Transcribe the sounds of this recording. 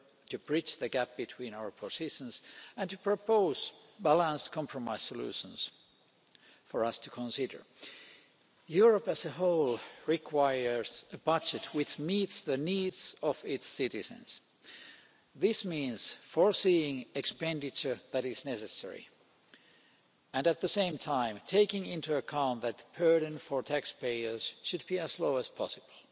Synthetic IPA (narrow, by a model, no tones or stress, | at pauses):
tɨbɹit͡ʃðɨɡæp̚b̥ɨtʰw̥ĩːnaʊə˞pʰosɪʃə̃nsæ̃ntɨpʰɹ̥opoʊz̥bælə̃nskʰɑ̃mpʰɹɔmaɪssəlʉ̰ːʃə̃ns | fəɹʌstʰɨkʰə̃nsɪdə̰˞ | juɹəpæsəɦoʊlˠɹikʰw̥aɪə˞səbʌd͡ʒɨtʰwɪt͡ʃmiːtsðəniːdsʌvɪtsɪɾɨzɨ̰̃nz̥ | ðɪsmĩːnz̥fəɹsiɪ̃ŋɨkspɛ̃ndɨt͡ʃə˞ðæɾɪznɛsɨsɛ̰ɹḭ | ɨ̃nɨt̪̚ðɨsẽɪ̃mtʰãɪ̃mtʰeɪkɪ̃ŋɪ̃ntuɨkʰãʊ̃nðɨt̪̚b̥ɜ˞ɾɨ̃nfə˞tʰækspeɪə˞z̥ʃɨd̚biɨzloʊɨz̥pʰɑsɨb̥l̩ˠ